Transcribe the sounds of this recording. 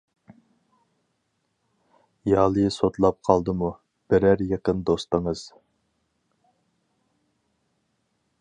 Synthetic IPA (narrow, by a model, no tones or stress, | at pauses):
jɑːlˠɨsot̪lˠɑp̚qʰɑlˠd̪ɨmu | b̥ɪɾæɾjeqənd̪ost̪əŋəz̥